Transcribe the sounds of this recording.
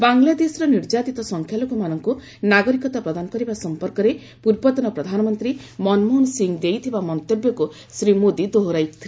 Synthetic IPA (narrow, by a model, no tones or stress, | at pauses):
baŋlad̪esɔɾɔniɾd͡ʒat̪it̪ɔsɔŋkʰjalokɔmanɔŋku | naɡɔɾikɔt̪apɾɔd̪anɔkɔɾibasɔmpɔɾkɔɾe | puɾbɔt̪ɔnɔpɾɔd̪ʱanɔmɔnt̪ɾimɔnmunsiŋd̪ejt̪ʰibamɔnt̪objɔku | sɾimod̪id̪oɦoɾajkt̪ʰi